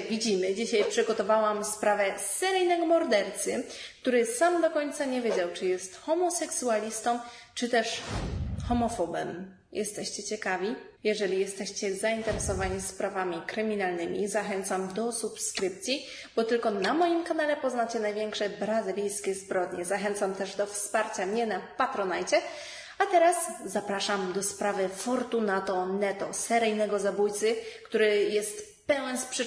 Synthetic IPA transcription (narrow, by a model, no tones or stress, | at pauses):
vʲid͡ʑimɘd͡ʑiɕajpʂɘɡɔt̪ɔvawamspɾavɛsɛɾɛjnaɡmɔɾd̪ɛɾt̪sɘk̚t̪uɾɘsamd̪ɔkɔɲt̪saɲɛvʲjed͡ʑawt͡ʂɘjɛst̪xɔmɔsɛksualʲist̪ɔmt͡ʂɘt̪ɛʂ | xɔmɔfɔbɛm | jʔɛst̪ɛɕt͡ɕɛt͡ɕɛkavʲi | jɛʐɛlʲijɛst̪ɛɕt͡ɕɛzaint̪ɛɾɛsɔvaɲispɾavamʲikɾɘmʲinalnɘmʲizaxɛnt̪samd̪ɔsupskɾɘp̚t̪sʲi | b̥ɔt̪ɘlkɔnamɔjimkanalɛpɔznat͡ɕɛnajvʲjɛŋkʂɛbɾazɨlʲijskʲɛzbɾɔd̪ɲɛzaxɛnt̪samt̪ɛʐd̪ɔfspaɾt͡ɕamɲɛnapat̪ɾɔnajt͡ɕɛ | at̪ɛɾasːapɾaʂamd̪ɔspɾavɘfɔɾt̪unat̪ɔnɛt̪ɔsɛɾɘjnɛɡɔzabujt̪sɘkt̪uɾɘjɛst̪ | pɛwɛnspʂ